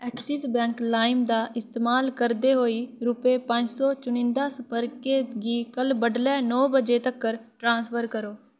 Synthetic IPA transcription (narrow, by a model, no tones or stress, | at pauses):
ɛːksɪsbɛ̃ːŋklaːɪmd̪aːʔɪst̪eːmaːlkəɾd̪eːɦoːiːɾʊpeːpə̃ɲd͡ʒsɔːt͡ʃʊnɪ̃nd̪aːspəɾkeːɡiːkəlbəɖlɛːnɔːbəd͡ʒeːt̪əkːəɾʈɾãːnspʰəɾkəɾoː